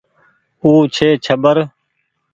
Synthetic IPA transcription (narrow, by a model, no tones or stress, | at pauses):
uːt͡ʃʰeːt͡ʃʰəbəɾ